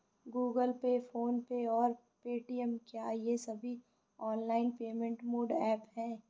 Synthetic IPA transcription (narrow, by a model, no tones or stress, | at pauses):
ɡuːɡəlpefoːnpeɔːɾ | peːʈiəmkjajesɐbʱi | ɔːnlaːɪnpeːmẽɳʈmoːɖɛːphɛ̃ː